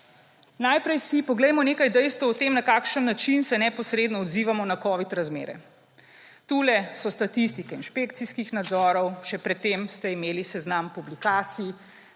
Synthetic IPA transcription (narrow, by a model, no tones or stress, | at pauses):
najpɾɛjsipɔɡlɛjmɔneːkajd̪ɛjst̪ʋɔt̪eːmnakaːkʃənːat͡ʃinsɛnɛpɔsɾeːd̪nɔɔd̪ziːʋamɔnakɔːʋit̪ɾazmḛːɾɛ̰ | t̪uːlɛsɔst̪at̪ist̪ikɛinʃpek̚t̪siskixnad̪zɔːɾɔwʃɛpɾɛt̪ːemst̪ɛimeːlisɛznampublikaːt̪si